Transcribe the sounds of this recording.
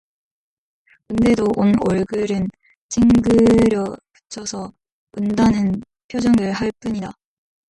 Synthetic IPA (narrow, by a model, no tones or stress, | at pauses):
kunde̞doʔonoɭɡɯɾɯn | t͡ɕʰiŋɡɯɾjʌpɯ̥t͡ɕʰʌsʰʌ | undanɯn | pʰjod͡ʑʌŋɯɭhaɭp͈uɲida